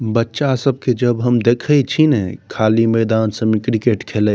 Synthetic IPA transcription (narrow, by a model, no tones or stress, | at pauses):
bətːʃasəb̚ked͡ʒəbɦəmd̪ekʰət͡ʃʰinɛkʰalimɛːd̪aːnsəmikɾikeʈkʰelɛ